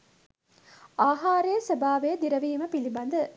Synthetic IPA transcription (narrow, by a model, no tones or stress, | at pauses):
ʔaːɦaːɾɐjɐsɐbaːʋejɐd̪iɾɐʋiːmɐpilibɐnd̪ɐ